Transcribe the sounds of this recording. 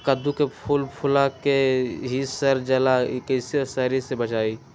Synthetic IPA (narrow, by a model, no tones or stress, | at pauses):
kəd̪ukepʰulpʰʊlakeɦisəɾd͡ʒəlakəɪsesəɾisebət͡ʃaːi